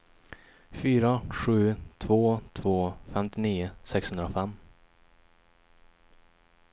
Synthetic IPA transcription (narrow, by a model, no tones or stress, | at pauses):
fyːɾaɧʉ̟ːt̪ʰv̥oːt̪ʰvoːfɛmt̪ɪniːʊsɛkshɵnd̪ɾafɛmː